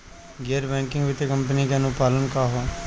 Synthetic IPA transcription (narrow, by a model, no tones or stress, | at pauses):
ɡeːɾbɛ̃ːŋkɪ̃ŋɡʋɪt̪ekəmpəniːkãːnũːpaːlənkaːɦoː